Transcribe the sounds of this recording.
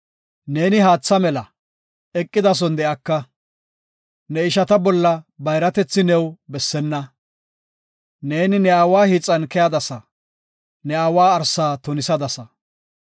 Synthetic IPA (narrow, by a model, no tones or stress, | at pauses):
ne̞ːnɪɦaːt͡sːɐmɛlɐ | ɛkʼːɪd̪ɐs̬ɔnd̪ɛʔɐkːɐ | nɛɪʃɐt̪ɐbɔlːɐbɐjɾɐt̪ɛt͡sːɪnɛwbɛsːɛnːɐ | ne̞ːnɪnɛaːwaːhit͡sʼːɐnkɛjad̪ɐsɐ | nɛaːwaːɾsaːt̪ɔnɪsɐd̪ɐsɐ